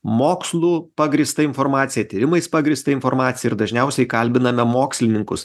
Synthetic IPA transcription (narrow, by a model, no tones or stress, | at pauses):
moːkslˠuːpɐɡɾʲiːst̪ɐɪnfoːɾmɑːt̪sʲɪjɛt̪ʲiːɾʲɪmɐɪspɐɡɾʲiːst̪ɐɪnfoːɾmɑːt̪sʲjɛɪɾd̪ɐʒʲnʲɛʊsʲɛɪkɐlʲbʲɪnɐmʲɛmoːksʲlʲɪnʲɪŋkʊs